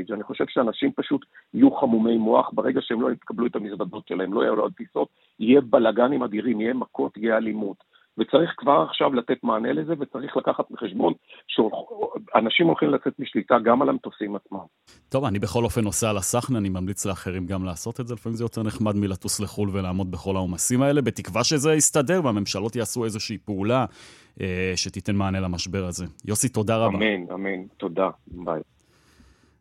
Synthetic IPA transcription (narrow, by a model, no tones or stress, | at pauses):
d͡ʒaniχo̞ʃe̞v̥ʃeanaʃimpaʃut̪ijuχamume̞jmo̞aχbeʁe̞ɡaʃeemloit̪kabluet̪amisvado̞tʃelahemloj̰jula̰dtiso̞t̪̚ | ijebalaɡanimad̪iʁimijemako̞tijealimut̪ | vet͡saʁiχkvaʁaχʃavlat̪e̞tmaːne̞lezeve̞t͡saʁiχlakaχat̪miχeʃbo̞nʃeoanaʃimolχimlat͡se̞t̪miʃlitaɡamalemt̪osimat͡smam | t̪o̞vanibeχo̞lo̞fe̞no̞sealasaχnianimamlit͡sleaχe̞ʁimɡamlaːso̞tedzelifamimzejo̞teʁneχmadmilatusleχulvelaːmo̞d̪̚be̞χo̞laomasimae̞le̞be̞tikvaʃezeist̪ade̞ʁveame̞mʃalo̞tjaːsue̞zoʃiːpeula | ʔeʃe̞t̪ite̞nmaːnelamaʃbe̞ʁaze̞jo̞sito̞daʁabamina̰ment̪o̞daba̰j